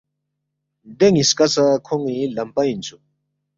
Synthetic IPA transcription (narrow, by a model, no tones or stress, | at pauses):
d̪eŋiskɐt͡sakʰoŋilɐmpaint͡sʰu